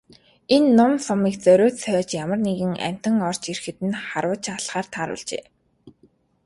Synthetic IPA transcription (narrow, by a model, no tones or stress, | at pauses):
enːʊmsɔmiːkt͡sœɾʲʊːt̪sœːt͡ɕjamə̆rneɣɘ̆ŋæ̰m̥ʲt̪ə̆ŋɔr̥t͡ɕirxɘ̆t̪ɘ̆nχaɾwə̆ːt͡ɕaɮχaːrt̪ʰaːɾʊ̰ːɮt͡ɕḛː